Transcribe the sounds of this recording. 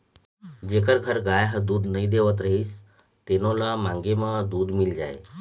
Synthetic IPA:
d͡ʑekəɾɡʱəɾɡajɦə̃d̪uːd̪nəid̪eʋət̪ɾəɦiːst̪enõlamãŋɡemãd̪uːd̪mild͡ʒaje

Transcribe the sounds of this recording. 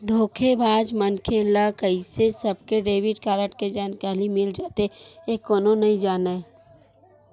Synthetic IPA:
d̪ʱoːkʰebʱaːd͡ʒmənkʰeːlakəisesɐbkeɖeːʋɪʈkaːɾəʈked͡ʒaːnkaːlimɪld͡ʒaːt̪eekːoːnonɐĩd͡ʒaːnaɛ

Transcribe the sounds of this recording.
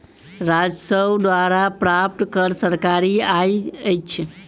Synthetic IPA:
ɾad͡ʒsəwd̪ʋaɾapɾap̚ʈ̪kəɾsəɾkaɾiajəjt͡ʃʰ

